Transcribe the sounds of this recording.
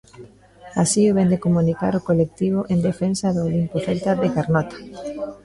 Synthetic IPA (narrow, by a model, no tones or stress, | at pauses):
asioβɛnd̪ekomunika̰ɾokolek̚t̪iβ̞oʔend̪efensaðʊːlimpoθejt̪aðekaɾnɔt̪ḁ